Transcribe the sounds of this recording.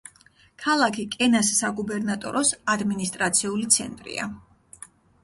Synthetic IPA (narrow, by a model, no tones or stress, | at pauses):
kʰalˠakʰikʼɛnasːaɡubɛɾnat̪ʼɔ̰ɾɔsad̪minist̪ʼɾat̪sʰiulit̪sʰɛ̰nt̪ʼɾḭa̰